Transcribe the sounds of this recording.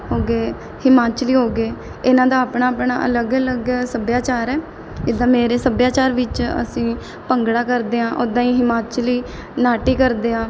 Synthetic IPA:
ɦoːɡeː | hɪmaːt͡ʃliːɦoːɡeː | ɪnãːd̪aːaːpɳaːpɳa̰ːʔə̰ləɡələɡsəbjaːt͡ʃaːɾɛː | d͡ʒɪd̪ãːmeːɾeːsəbjaːt͡ʃaːɾʋɪt͡ʃə̰sĩː | pəŋɡɽaːkəɾd̪eːɦãːʔoːd̪ãːĩːɦɪmaːt͡ʃliː | naːʈiːkəɾd̪eːãː

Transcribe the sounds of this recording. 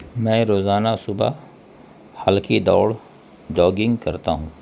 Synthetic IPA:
mɛ̃ːɾoːzaːnasʊba̰ | həlkid̪ɔːɽ | d͡ʒɔːɡɪ̃ŋɡkəɾt̪aɦũː

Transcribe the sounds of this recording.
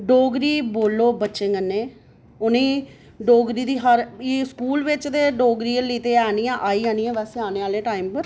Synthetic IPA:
ɖoːɡɾiːboːlːoːbətːʃẽːɡənːẽː | ʊnẽː | ɖoːɡɾiːd̪iːɦəɾiskuːlʋɪt͡ʃd̪eːɖoːɡɾiːəliːt̪eːaːnijãːʔaːiːãːnĩːãːʋɛːseːaːneːaːlẽːʈaːimpəɾ

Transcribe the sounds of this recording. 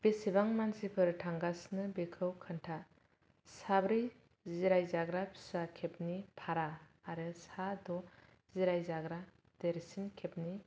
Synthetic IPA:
b̥esibaŋmansipʰɯɾtʰaŋɡasnɯbekʰɯwkʰɯntʰa | sabɾi | ziɾajzaɡɾapʰi̥sakʰep̚nipʰaɾaːɾɯsadɔ | z̥iɾajzaɡɾa | d̥eɾsinkʰep̚ni

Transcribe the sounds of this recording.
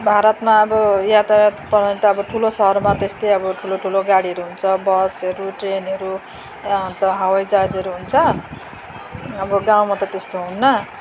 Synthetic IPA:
bʱaɾʌt̪maʌbʌjat̪aapʌɾnʈ̪aːʌbʌʈʰulosʌɦʌɾmat̪est̪ʌjʌbʌʈʰuloʈʰuloɡaɽiɦʌɾuɦunt͡sʰʌbʌsʌɾuʈrenɦʌɾu | t̪ʌɦawajd͡zad͡zɦʌɾuɦunt͡sʰʌ | ʌbʌɡãw̃mat̪ʌt̪est̪oɦunːʌ

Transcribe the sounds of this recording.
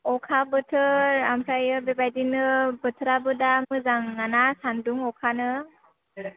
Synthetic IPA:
ɔkʰabɯtʰɯɾampʰajɯbebajdinɯbətʰəɾabɯdamɯzaŋːanasanduŋɔkʰanɯ

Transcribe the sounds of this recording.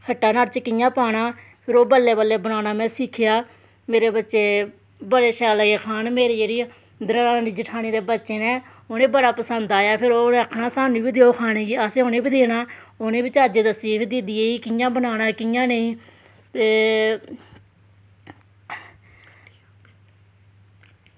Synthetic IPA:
kʰəʈːaːnəːɾt͡ʃkɪjãːpaːɽaː | pʰɪɾoːbəlːeːbəlːeːbənaːnaːmɛ̃ːsɪkʰɪjaː | meːɾeːbətːʃeː | bəɽeːʃɛːləːɡeːkʰaːnmeːɾeːd͡ʒeːɽiː | d̪əɾaːaːniːd͡ʒəʈʰaːniːd̪eːbətːʃeːnɛː | oːnẽːbəɽaːpəsənd̪aːjaːpʰɪɾoːnẽːəkʰnãːsaːnũːbiːd̪eːoːkʰaːnẽːɡiːaːseːoːneːbid̪eːnaːoːnẽːbit͡ʃaːd͡ʒeːd̪əsipɪd̪id̪ijeːiːkɪjãːbənaːnaːkɪjãːnẽĩː | t̪eː

